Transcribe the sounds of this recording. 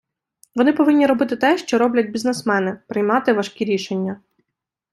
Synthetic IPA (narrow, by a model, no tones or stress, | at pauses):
ʋɔnɪpɔʋɪnʲːiɾɔbɪt̪ɪt̪ɛʃt͡ʃɔɾɔblʲɐd̚ʲbʲiznesmɛnɪpɾɪjmɑt̪ɪʋɐʃkʲiɾʲiʃenʲːɐ